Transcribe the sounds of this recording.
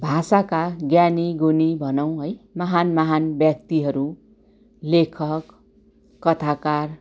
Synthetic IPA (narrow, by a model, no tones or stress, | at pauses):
bʱasakaɡjaniɡonibʱʌnʌw̃ɦʌjmʌɦanmʌɦanbjʌk̚t̪iɦʌɾu | lekʰʌkː | ʌt̪ʰakar